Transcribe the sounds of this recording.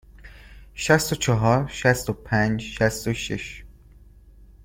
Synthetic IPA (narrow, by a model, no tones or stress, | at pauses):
ʃæst̪ot͡ʃʰɒɦɒɾʃæst̪opʰænd͡ʒʃæst̪oʃḭʃ